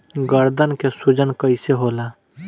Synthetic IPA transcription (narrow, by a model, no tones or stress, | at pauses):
ɡəɾd̪ənkesud͡ʒənkəɪseɦola